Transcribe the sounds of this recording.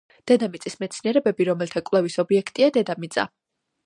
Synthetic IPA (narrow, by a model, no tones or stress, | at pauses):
d̪̥ɛd̪amit̪sʼismɛt̪sʰniɛɾɛbɛbiɾɔmɛlt̪ʰakʼlˠɛvisɔbiɛkʰt̪ʼiad̪ɛd̪amit̪sʼa̰